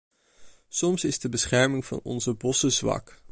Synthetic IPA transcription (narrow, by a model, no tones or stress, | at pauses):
sɔmsɪzdəbəsχɛɹmɪŋv̥ɑ̰nɔ̰nzəbɔsəzʋɑ̰k